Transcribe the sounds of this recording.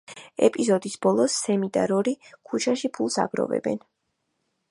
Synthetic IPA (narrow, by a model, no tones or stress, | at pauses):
ɛpʼizɔd̪isb̥ɔlˠɔsːɛmit̪ʼaɾɔɾikʰut͡ʃʰaʃipʰulˠsa̰ɡɾɔ̰vɛ̰bɛ̰n